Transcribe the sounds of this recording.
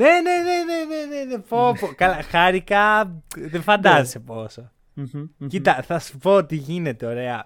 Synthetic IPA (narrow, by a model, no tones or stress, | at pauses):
nenenenenenenepopokalaxaɾikaðefand̪aziseposo | kit̪aθaspot̪iɣinet̪eoɾea̰